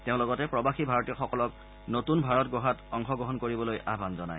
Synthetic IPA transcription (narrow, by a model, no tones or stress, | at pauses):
teʊ̃lɔɡɔtɛpɹɔbaxibʱaɹɔtiɔxɔkɔlɔk̚ | notunbʱaɹɔtɡɔɦatɔŋxɔɡɹɔɦɔnkoɹibɔlojʔabʱanzɔna̰j